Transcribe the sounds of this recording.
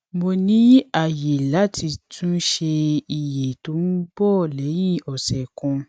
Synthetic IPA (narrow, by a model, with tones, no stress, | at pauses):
mo˧nĩ˨˦a˨je˨la˨˦ti˧tʰũ˦ʃe˧i˨je˨to˨˦nũ˦bɔ˦˨lɛ˨˦jĩ˦˨ɔ˨sɛ˨kɔ̃˧